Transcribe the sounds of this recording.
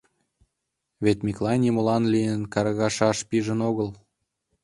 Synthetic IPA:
βet̪mʲiklˠɑnʲimolɑnlijənkɑɾɣɑʃɑʃpiʒə̆noɣəlˠ

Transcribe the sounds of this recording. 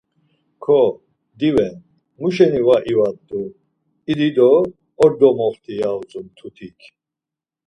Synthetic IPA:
kʰɔ | d̪ivɛn | muʃɛnivaʔivat̪ʼːu | id̪id̪ɔː | ɾd̪ɔmɔχt̪ʰijaut͡sʼumt̪ʰut̪ʰikʰ

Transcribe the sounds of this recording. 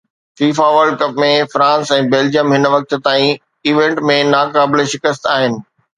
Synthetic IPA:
fiːfaʋəɾɖ̚kɐpmẽfɾãːnsɛ̃ːbeːld͡ʑiəmɦɪnʋɐk̚t̪̆t̪aːĩ | iːʋẽɳʈmẽnaːkaːbɪleʃɪkəst̪aːɦɪnɪ̆

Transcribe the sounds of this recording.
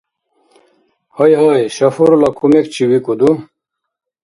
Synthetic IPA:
hʌjɦʌjɕɐfuɾlɐkʰumekt͡ɕʰiwikud̪u

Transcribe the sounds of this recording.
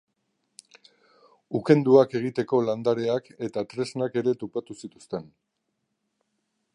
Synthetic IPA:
uke̞nd̪uake̞ɣ̞it̪e̞ko̞land̪aɾe̞ake̞t̪at̪ɾe̞znake̞ɾe̞t̪opat̪usit̪u̥st̪e̞n

